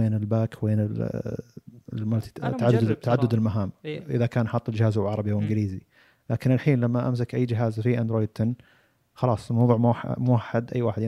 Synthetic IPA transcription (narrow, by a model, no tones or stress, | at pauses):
eːnɪlbaːkweːnɪl | maaʕad̪ːt̪ːaʕad̪ːʊd̪ɪlmaɦaːmʔɪðakaːnʔħɑt̪ˤːɪld͡ʒɪhaːzawʕɑɾˤɑbiawʔɪnɡliːzi | laːkɪnalħiːnlamːaʔams̬akʔajːd͡ʒɪɦaːzfiʔand̪ɾoːjd̪̚t̪ʰɪnː | xɑlɑːsˤlmawðˤuːʕmʊwaħːad̪ʔa̰jːwaːħɪd̪